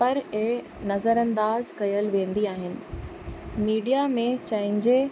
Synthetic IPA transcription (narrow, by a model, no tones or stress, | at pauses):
pɐɾe | nɐzəɾɐ̃nd̪aːzkɐjəlʋẽːnd̪iaːɦɪnɪ̆ | miːɖijamẽt͡ɕɐɦɪ̃ɲd͡ʑe